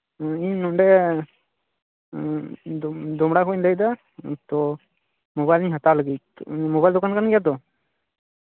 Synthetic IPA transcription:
iɲnɔnɖɛ | d̪ɔmɽakʰɔiɲləjd̪a | t̪ɔ | mɔbajliɲɦat̪aləɡimɔbajld̪ɔkankanɡɛjat̪ɔ

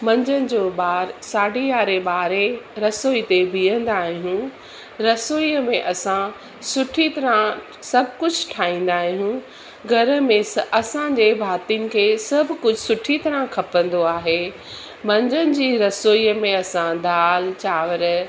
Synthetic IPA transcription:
mɐ̃ɲd͡ʑənɪ̆d͡ʑoːɓaːɾsaːɖijaːɾeɓaːɾeɾɐsoːit̪ebijə̃nd̪aːɦjũ | ɾɐsoːiəmẽʔɐsã | sʊʈʰit̪ɐɾã | sɐbʱkʊd͡ʑʱʊʈʰaːĩːn̆d̪aːɦjũ | ɡʱɐɾəmẽɐsãɲd͡ʑebʱaːt̪inɪ̆kʰeːsɐbʱkʊd͡ʑʱʊsʊʈʰit̪ɐɾãkʰɐpə̃nd̪oaːɦeː | mɐ̃ɲd͡ʑənɪ̆d͡ʑiːɾɐsoːimẽɐsãd̪ʱaːlt͡ɕaːʋəɾ

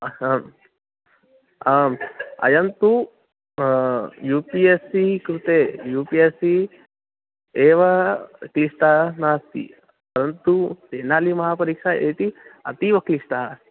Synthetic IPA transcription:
amɐ̰jɐnt̪u | juːpiesikɾut̪ejuːpiesi | eːʋɐkliʂʈaːnaːst̪ḭ | pɐɾɐnt̪useːnaːlimɐɦaːpɐɾiːkʂaeːʈ̪iɐ̰t̪iʋɐkliʂʈaː

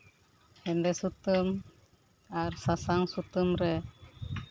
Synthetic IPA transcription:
hɛndɛsut̪əm | aɾsasaŋsut̪əmɾɛ

